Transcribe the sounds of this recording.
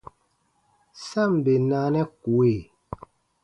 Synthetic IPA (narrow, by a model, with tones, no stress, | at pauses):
sa˦˨mbe˨naː˨˦nɛ˦ku˨e˦˨